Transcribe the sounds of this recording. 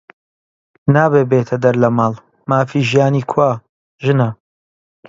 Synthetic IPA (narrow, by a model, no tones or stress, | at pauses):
naːbeːbeːt̪ʰɐd̪ɐɾlɐmaːlˠ | maːfiːʒijaːniːkʰwaː | ʒɨnɐ